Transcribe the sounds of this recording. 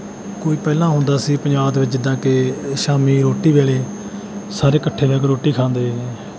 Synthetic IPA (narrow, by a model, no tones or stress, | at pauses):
koːiːpɛːlãːɦʊ̃nd̪aːsiːpəɲd͡ʒaːbd̪eʋɪt͡ʃd͡ʒɪd̪ːãːkeʃaːmiːɾoːʈiːʋeːleː | saːɾeːkəʈʰːeːʋɛːkɾoːʈːiːkʰãːnd̪eː